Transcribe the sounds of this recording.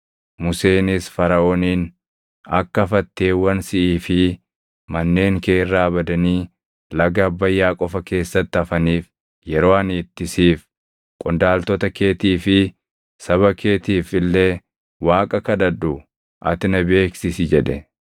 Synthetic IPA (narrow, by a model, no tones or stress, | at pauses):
mʊse̞ːnɪsfɐɾɐʔoːniːn | ɐkːɐfɐt̪ːe̞ːwɐnsɪʔiːfɪ | mɐnːe̞ːŋke̞ːrːaːbɐd̪ɐniː | lɐɡɐːbːɐjːaːkʼɔfɐke̞ːsːɐt̪ːɪɐfɐniːf | jɛɾo̞ːɐniːt̪ːɪsiːf | kʼʊnd̪aːlt̪ɔt̪ɐkeːt̪iːfɪ | sɐβɐkʰeːt̪iːfɪlːe̞ː | waːkʼɐkɐd̪ɐd̪ʊ | ʔɐ̰t̪ɪnɐbe̞ːksɪsɪd͡ʒɛᶑɛ